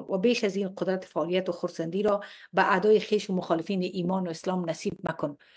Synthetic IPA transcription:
nwabeʃazinqʊd̪ɾat̪ɪ̥faɔlijat̪ʊxʊɾsand̪iɾɔbaʔad̪ɒjɪxeʃʊmʊxɔlɪfinɪʔimɔnʊɪslɔmnasib̚nakʊn

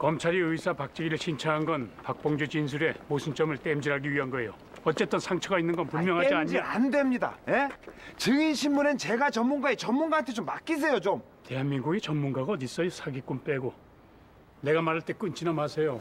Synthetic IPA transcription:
kʌmt͡ɕʰaɾiɯjsʰapak̚t͡ɕ͈iɡiɾɯɭɕʰint͡ɕʰaɦanɡʌnpak̚p͈ʌŋd͡ʑut͡ɕinsʰuɾe̞mosʰɯnt͡ɕ͈ʌmɯɭt͈emd͡ʑiɾɦaɡiɥiɦanɡʌejo | ʌt͡ɕ͈e̞t͈ʌnsʰaŋt͡ɕʰʌɡainːɯnɡʌnpumjʌŋɦad͡ʑiaɲa̰ndwe̞mɲida̰jet͡ɕɯŋinɕʰinmunɯnt͡ɕe̞ɡat͡ɕʌnmunɡaet͡ɕʌnmunɡaant̪ʰet͡ɕomːak͈is̬ʰe̞jot͡ɕom | te̞ɦanminɡuɡet͡ɕʌnmunɡaɡaʌdis͈ʌjosʰaɡik͈ump͈e̞ɡo | ne̞ɡamaɾaɭt͈e̞k͈ɯnt͡ɕinʌmɦasʰe̞jo

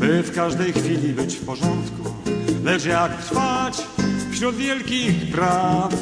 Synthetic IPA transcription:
bɘfkaʐd̪ɛjxfʲilʲibɘt͡ɕfpɔʐɔnt̪kulɛt͡ʂjakt̪ɾ̥fat͡ɕfɕɾud̪vʲjɛlkʲixpɾaf

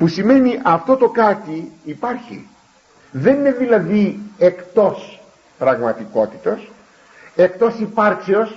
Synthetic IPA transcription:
pusime̞niʔɐft̪o̞t̪o̞kɐt̪iːpɐɾçḭ | ðe̞nine̞ðilɐðiekt̪o̞s | pɾɐɣmɐt̪iko̞t̪i̥t̪os | e̞kt̪o̞sipɐɾkseo̞s

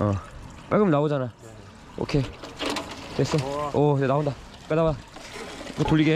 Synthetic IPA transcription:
ʌ | p͈aɡɯmnaod͡ʑanajo | o̰kʰe | tes͈ʌoid͡ʑenaonda | k͈edaba | ɡotuʎːiɡe

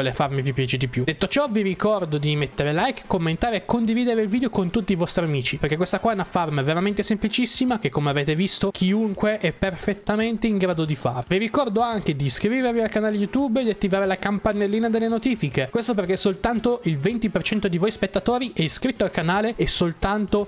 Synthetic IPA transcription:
ɔlefarmivipjaːt͡ʃed̪ipjud̪et̪ːot͡ʃɔviɾikɔrd̪od̪imet̪ːeɾelajkːomːent̪aːɾeːkːond̪iviːd̪eɾeilviːd̪eokont̪ut̪ːiːvɔst̪ɾiamiːt͡ʃiperkekwest̪akwaɛunafarmaveɾament̪esemplit͡ʃisːimak̟ekːomeaveːt̪evist̪okʰiuŋkweʔɛpːerfet̪ːament̪eiŋɡɾaːd̪od̪ifa̰ːɾeviɾikɔrd̪oaŋk̟ed̪iskɾiːvervialkanaːlejut̪ubed̪iat̪ːivaːɾelakampanːelːiːnad̪elːenot̪iːfikekwest̪op̬erkesolt̪ant̪oilvent̪ipert͡ʃɛnt̪od̪ivojspet̪ːat̪oːɾiʔɛiskɾit̪ːoalkanaːleːsolt̪ant̪o

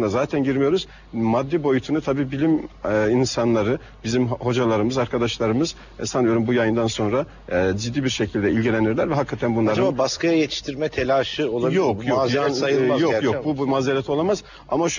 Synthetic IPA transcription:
nd̪azaːt̪ʰænɟiɾmijo̞ɾuz̥ | mad̪ːibo̞jut̪ʰunut̪ʰabiːbilʲiminsanlˠaɾɯ | bizimho̞d͡ʒalˠaɾɯmɯzaɾkʰad̪aʃlˠaɾɯmɯz̥ | ɛsanijo̞ɾumbujajɯnd̪anso̞nɾa | d͡ʒid̪ːiːbiɾʃe̞cʰilʲd̪ɛilʲɟilʲeniɾlʲæɾvɛɦakʰːat̪ʰænbunlˠaɾababaskajajet̪ʰi̥ʃt̪ʰiɾmɛt̪ʰelʲaːʃɯolˠabjokmjoazaajɯajokjok̚bubmaːzelɛt̪ʰo̞lˠamaz̥ | amaʃ

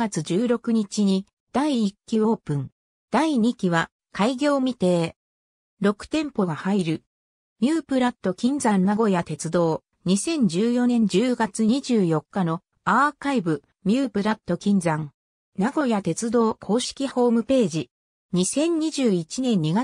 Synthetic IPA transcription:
at͡sɨʑɨːɾo̞kɯ̟ɲ̟it͡ɕiɲ̟i | d̪̥aiːkʲːio̞ːpɯ̟̃ŋ | d̪̥aiɲikʲiβa | kʰaiɡʲo̞ːmʲit̪e̞ː | ɾo̞kɯ̟̥t̪ẽ̞mpo̞ɡahaiɾɯ̟ | mʲjɨːpɯ̟ɾat̪ːo̞kʲĩnd͡zãnnaɡo̞jat̪e̞t͡sɨd̪o̞ː | ɲ̟isẽ̞ɲ̟d͡ʑɨːjo̞nẽ̞ɲ̟d͡ʑɨːɡat͡sɨɲ̟iʑɨːjo̞kːano̞ | akaibɯ̟ | mʲɨːpɯ̟ɾat̪ːo̞kʲĩnd͡zãŋ | naɡo̞jat̪e̞t͡sɨd̪o̞ːkʰo̞ːɕi̥kʲiho̞ːmɯ̟pe̞ːʑi | ɲisẽ̞ɲ̟ɲiʑɨːit͡ɕinẽ̞ɲ̟ɲːiɡa

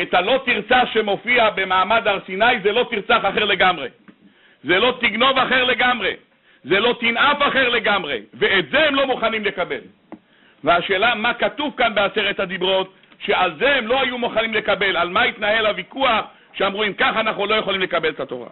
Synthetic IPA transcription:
et̪halo̞t̪iʁt͡saʃe̞mo̞fiabe̞maːmad̪aʁsinajzelo̞t̪iʁt͡saχaχeʁle̞ɡamʁe̞̰ | ze̞lo̞t̪iɡno̞vaχe̞ʁle̞ɡamʁe̞̰ | zelo̞t̪inafaχe̞ʁle̞ɡamʁe̞̰ve̞et̪zehemlo̞muχanimle̞kabe̞l | veaʃe̞ːlamakatuvkanbe̞aseʁet̪had̪ibʁo̞t̪ | ʃe̞alzehemlo̞ajumuχanimle̞kabe̞lalmait̪nahe̞lavikuaχ | ʃeamʁuimkaχanaχulo̞jeχolimlekabelet̪at̪o̞̰ʁa̰

